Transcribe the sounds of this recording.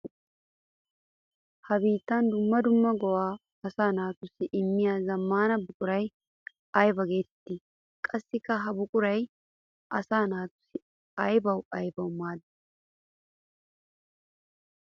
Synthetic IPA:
hɐbiːt̪ːaːnd̪ʊmːɐd̪ʊmːɐɡɔwaː | ɐsaːnaːt̪ʊsːɪʔɪmːɪjaːzɐmːaːnɐbʊkʼʊɾɐj | ɐjbɐɡe̞ːt̪ɛ̥t̪ːɪ | kʼɐsːɪkːɐɦɐbʊkʼʊɾɐj | ʔɐsaːnaːt̪ʊ̥sːɪ | ɐjbɐwɐjbɐʊmaːd̪ɐ̥

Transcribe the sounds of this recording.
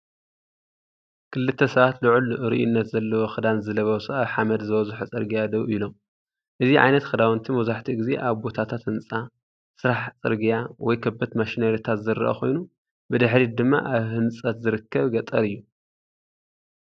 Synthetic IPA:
kʰɨlːɨt̪ʰːɐsɐβat̪luʕulʔɨɾiʔṵnːɐt̪zɐlːɐwoxɨd̪anzɨlɐβɐwsʼuaβħamɐd̪zɨwɐzħut͡sʼɨ̰ɾɡijad̪ɐβilo̞m | ʔɨziʕa̰jnɐt̪xɨd̪awnt̪ʰimɐzaħt̪ʰiɡize̞̰ʔaβbo̞t̪ʰat̪ʰat̪hɨnt͡sʼa | sɨɾaħt͡sʼɨ̰ɾɡijawɔjkʰɐbːɐt̪maʃinaɾit̪ʰat̪zɨɾɨ̰ʔɐ̰xo̞̰jnu | bɨd̪ɨħɾid̪ɨmːa̰ʔaβhɨnt͡sʼɐt̪zɨɾɨkʰːɐβɡɐt̪ʼːɐɾɨjːu

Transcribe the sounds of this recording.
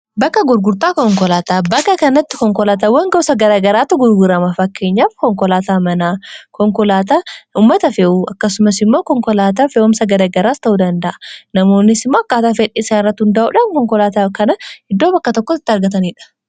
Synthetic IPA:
bɐkːɐɡʊɾɡʊɾt̪aːkɔŋkɔlaːt̪aːbɐkːɐkɐnɐt̪ːɪ̥kɔŋkɔlaːt̪̬ɐwɐŋɡɔsɐɡɐɾaːɡɐɾaːt̪ːʊɡʊɾɡʊɾɐmɐfɐkːe̞ːɲːaːfkɔŋkɔlaːt̪aːmɐnaːkɔŋkɔlaːt̪aʊmːɐt̪ɐfeʔuɐkːɐsʊmɐsɪmːoːkɔŋkɔlaːt̪̬aːfeʔʊmsɐɡɐɾaːɡɐɾaːst̪ɐʔuːd̪ɐnd̪ɐʔɐ̥nɐmo̞ːnːɪsɪmːoːɐkːaːt̪aːfɛᶑeːsaːnɪɾrːɐt̪ːhʊnd̪ɐʔṵːᶑɐnkɔŋkɔlaːt̪aːkɐnɐhɪd̪ːoːbɐkːɐt̪ɔkːɔɪt̪ːɪɐɾɡɐt̪̬ɐniːᶑɐ̥

